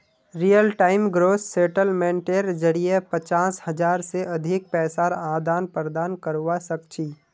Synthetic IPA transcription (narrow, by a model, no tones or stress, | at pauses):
ɾijəlʈaːɪmɡɾoːsːeːʈəlmẽːɳʈeːɾd͡ʒəɽiepət͡ʃaːshɐd͡ʒaːɾseʔɐd̪ʱɪk̚pɛːsaːɾãːd̪aːnpəɾd̪aːnkəɾwasəkt͡ʃʰiː